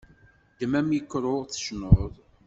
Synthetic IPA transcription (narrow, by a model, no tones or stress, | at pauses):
d̪əmæmikːɾˤoʁθə̥ʃnoðˤ